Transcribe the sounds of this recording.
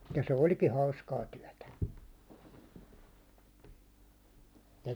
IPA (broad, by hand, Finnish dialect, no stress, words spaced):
jɑ se olʲki hɑuskɑː tyæ̹tæ se